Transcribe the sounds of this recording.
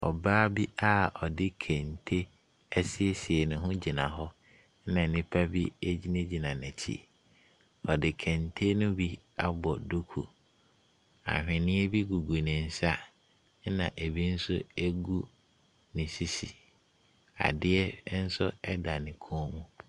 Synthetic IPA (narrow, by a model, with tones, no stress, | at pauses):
ɔ̰˨baː˦bi˦ʔa˦ɔ˨dɪ˦kʰɛ̃˨ntʰe˦ | ɛ˦sɪ˦ɛ˦sɪ˨ɛ˨nɪ̃˨ɦʊ̃˦d͡ʑi˨nã˨ɦɔ˦ | nã˨nɪ̃˦pʰa˦bi˦æ˦d͡ʑi˦nẽ˦d͡ʑi˨nã˨nɛ̃˨t͡ɕʰḭ˦ | ɔ˨dɪ˨kʰɛ̃˨ntʰe˦nʊ̃˦bi˦ | a˦bɔ˨du˦kʰṵ˨ | a̰˨ɦᶣɪ̃˨nɪ̃˦ɛ˦bi˦ɡu˨ɡu˨nɪ̃˨n̩˦sa˦ | nã̰˨ʔe˨bi˦n̩˦sʊ˦æ˦ɡu˦ | nɪ̃˨si˦sḭ˨ | a̰˨dɪ˦ɛ˦n̩˦sʊ˦ɛ˦da˨nɪ̃˨kʰɔ̃˦ɔ˦mũ˦